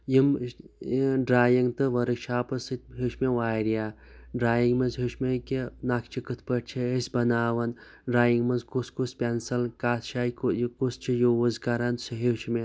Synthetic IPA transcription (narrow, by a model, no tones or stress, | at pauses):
jim | ɖɾaːjiŋɡt̪ɨʋɐɾɨkʃʰaːpɐsɨt̪ʲɦuʃmeʋaːɾijaː | ɖɾaːjiŋɡmɐzɦuʃmekinakʰt͡ʃʰikɨt̪ʰpɐʈ̚t͡ʃʰiəsʲbɐnaːʋɐn | ɖɾaːjiŋɡmɐzkuskuspʲensɐlkaːt̪ʰʃaːjkkust͡ʃʰijowɐzkɐɾansɨɦet͡ʃʰme